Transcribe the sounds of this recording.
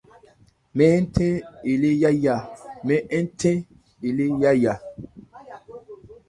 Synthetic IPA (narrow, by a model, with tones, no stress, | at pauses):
mɛ˦tʰẽ˦i˨le˦ja˦ja˨mɛ˦ʔɛ˦n˦tʰẽ˦ | i˨le˦ja˦ja˨